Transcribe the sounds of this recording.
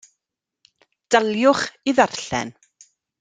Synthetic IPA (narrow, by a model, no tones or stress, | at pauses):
d̥alˠjʊχiðarɬɛ̰n